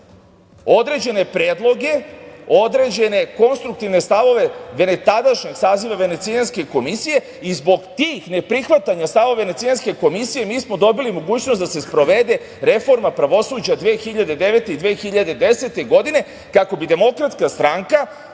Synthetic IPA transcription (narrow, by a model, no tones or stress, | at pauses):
o̞d̪ɾe̞d͡ʑe̞ne̞pɾeːd̪lˠo̞ɡe̞od̪ɾe̞d͡ʑe̞ne̞ko̞nst̪ɾuk̚t̪iʋne̞st̪aʋo̞ʋe̞ʋe̞ne̞t̪ad̪aʃɲeɡsaːziʋaʋe̞ne̞t̪sianske̞ko̞misije̞ | izbo̞ɡt̪iːxne̞pɾixʋat̪aɲast̪aʋoʋe̞net̪ianske̞ko̞misije̞miːsmo̞d̪o̞bilimo̞ɡuːt͡ɕnost̪d̪ase̞spɾo̞ʋe̞d̪e̞ | ɾe̞fo̞ɾmapɾaʋo̞suːd͡ʑad̪ʋeːxiʎad̪e̞d̪e̞ʋet̪e̞id̪ʋeːxiʎad̪e̞d̪e̞se̞t̪e̞ɡo̞d̪ine̞ | kako̞bid̪e̞mo̞kɾat̪skast̪ɾaŋka